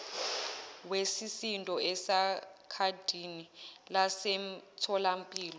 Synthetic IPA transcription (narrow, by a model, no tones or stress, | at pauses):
wesisintʼɔɛsakʰad̥ʱinilasemtʰɔlampʼiːlɔ